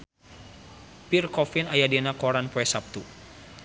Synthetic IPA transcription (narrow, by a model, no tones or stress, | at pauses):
pirkɔfinajadinakɔɾanpɔɛsap̚t̪u